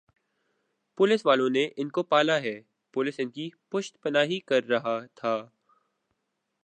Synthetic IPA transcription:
pʊlɪsʋaːlõneʔɪnkopaːlaɦɛː | pʊlɪsɪnkipʊʃt̪pɐnaːɦikɐɾːɐɦat̪ʰaː

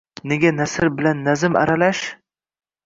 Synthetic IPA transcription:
neɡʲanasɪɾbɪlanːazɪma̰ɾalaʃ

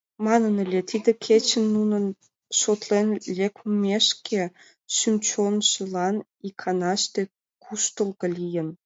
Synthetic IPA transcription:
mɑnənəlʲet̪id̪ə̆kʰet͡ɕə̆nːunə̆n | ʃot̪lenlʲekmʲeʃkʰe | ʃymʲt͡ɕonʃə̆lɑn | ikʰɑnɑʃt̪e | kʰuʃt̪əlˠɣə̆lʲijə̆n

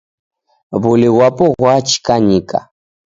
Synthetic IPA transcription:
βʊlɪwapʊɣɣwat͡ʃi̥kaɲɪkʼa̰

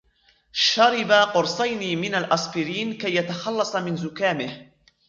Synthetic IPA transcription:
ʃɑɾɪbaqʊɾsˤɑjniːmɪnalʔɑsˤfɪɾiːnkajːat̪axɑlːɑsˤɑmɪnzʊkaːmɪh

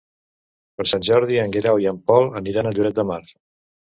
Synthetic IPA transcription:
pəɾsanʲʒɔɾðiəŋɡeɾawiəmpɔlˠəniɾanəʎuɾɛt̪̚d̪əmaɾ

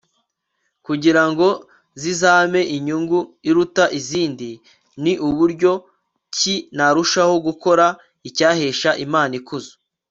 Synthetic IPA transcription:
kuɟiɾaŋɡo̞ | zizaːme̞ʔiɲuŋɡuiɾutaʔiziːndi | niʔuβuɾɟo̞ | cinaɾuʃaho̞ɡuko̞ɾa | icaːheːʃaʔimaːnikuzu̥

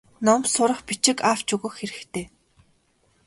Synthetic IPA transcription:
nɔmsʊɾə̆χpit͡ɕɪ̆kaw̥t͡ɕɵɣɵ̆xxeɾɘ̆xt̪ʰeː

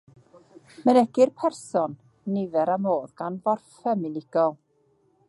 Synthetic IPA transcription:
mənɛɡɪrpʰɛrsɔn | nɪvɛɾamoːðɡanbɔrfɛmɪnɪɡ̥ɔlˠ

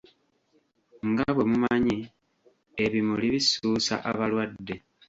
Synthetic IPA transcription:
ŋɡaβwe̞mumaɲi | eβimuliβisuːsa̰ʔaβalwadːe̞

